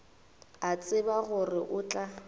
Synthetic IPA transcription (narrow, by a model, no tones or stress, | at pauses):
at͡sʼɪbaɣʊrɪʔʊt͡ɬʼa